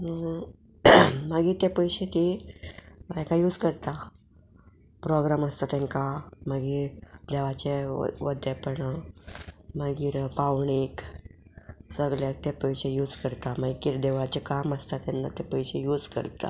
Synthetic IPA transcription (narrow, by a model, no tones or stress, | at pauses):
ə | maɡiːɾt̪epəjɕek̪i | ekajuːd͡zkəɾt̪a | pɾoɡɾaməst̪at̪ẽŋkaməɡiːɾd̪eʋat͡ɕḛʋəd̪epəɳ | məɡiːɾpaʋɳek | səɡljat̪epəjɕejuːd͡zkəɾt̪amaɡikiːɾd̪eʋat͡ɕekaməst̪at̪ɛnːa̰t̪epəjɕejud͡zkə̰ɾt̪a̰